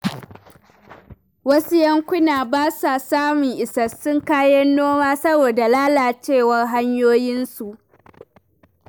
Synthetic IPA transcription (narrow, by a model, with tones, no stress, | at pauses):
wɐ˦su˦jɐ˦ŋkʷʊ˦naː˨baː˦sa˨saː˦mʊ˨ŋʔɪ˨sɐ˨sʊ˦ŋkaː˦jɐ˦nːoː˦maː˦sɐ˦boː˨da˨laː˦laː˨t͡ʃeː˦˨wɐ˦rɦa˦ɲjoː˦jɪ˦nsu˨ʔ